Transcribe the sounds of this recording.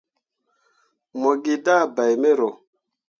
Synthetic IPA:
mo˨ɡi˨da˦˨ba˨jme˦ɾo˨

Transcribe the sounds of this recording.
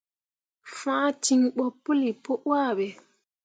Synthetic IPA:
fãː˦ti˨ŋɓɔ˨pːu˦li˨po˦ʔwaː˦˨ɓɛ˨

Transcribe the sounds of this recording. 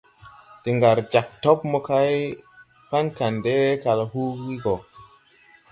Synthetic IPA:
te˨ŋɡa˨ɾd͡ʒa˨k̚to˦pmo˦ka˦j | pa˦nka˨nde˦ka˨la˨hu˦ɡi˦ɡo˨

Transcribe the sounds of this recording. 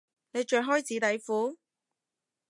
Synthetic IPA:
ne˨˧jt͡ʃœː˨˧nɦɔː˥jt͡siː˨˥t̪ɐ˨˥jfuː˨˥

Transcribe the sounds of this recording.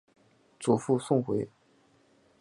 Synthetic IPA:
t͡su˨˩fu˥˧sʊ˥˩ŋxwe˧˥ɪ

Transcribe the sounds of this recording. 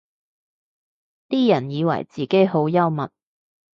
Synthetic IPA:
t̪iː˥jɐ˨˩njiː˨˧wɐ̰˨˩jt͡siː˨ke˨˥jɦo˨˥wjɐ˥wmɐ˨t̚

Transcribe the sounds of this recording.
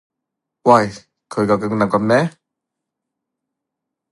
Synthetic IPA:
wa˧˩j | kʰɵ˨˧jka˧˩ka˧ŋna˨˩kɔ˧˥mnɛ˦˥

